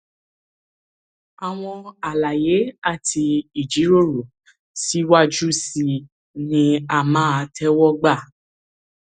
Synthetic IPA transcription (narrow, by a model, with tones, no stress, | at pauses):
a˨w̃ɔ̃˧a˨la˨je˨˦a˦˨tʰi˧i˨d͡ʒi˨˦ɾo˦˨ɾo˨ | si˦wa˦d͡ʒu˦si˨ | nĩ˧a˦˨mãː˦a˧tʰɛ˦wɔ˦ɡ͡ba˦˨